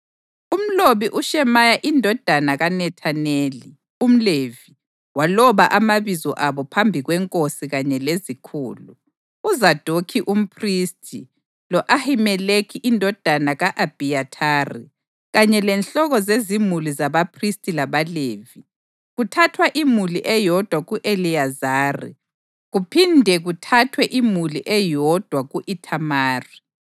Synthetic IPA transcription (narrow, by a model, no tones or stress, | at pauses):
um̩loβiʔuʃɛmajaʔindʱɔd̥ʱanaɣanɛtʰaneːli | um̩levi | walɔβaʔamaβizɔ̰ʔaβɔpʰambʱiɣwɛŋkʼosiɣaɲɛlezikʰṵːlṵ | uzad̥ʱokʰiʔum̩pʰristʰʼi | lɔʔahimɛlekʰiʔindʱɔd̥ʱanaɣaʔab̥ʱiatʰaːrḭ | ɣaɲɛlɛnɬɔɣɔzezimulizaβapʰristʼilaβaleːvi | ɣutʰatʰwaʔimuliʔɛjɔd̥ʱwaɣuʔeliazaːrḭ | ɣupʰindʱɛɣutʰatʰwɛʔimuliʔɛjɔd̥ʱwaɣuʔitʰamaːri